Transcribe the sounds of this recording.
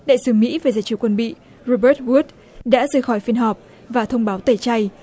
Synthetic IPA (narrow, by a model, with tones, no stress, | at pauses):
ɗa̰ː˧˨jsɨ˨˦mḭ˧˥va˨˩zaː˨˦jt͡ɕi˧˩kwə˧nɓḭ˧˨ | zo˧ɓəː˦˥t̚wu˦˥t̚ | ɗa̰ː˧˥zəː˧jxɔ˧˩jfi˧ənɦɔ˨˩p̚ | vaː˨˩t̪ʰə˧wŋ͡mɓaː˨˦wt̪ə˧˩t͡ɕa˧j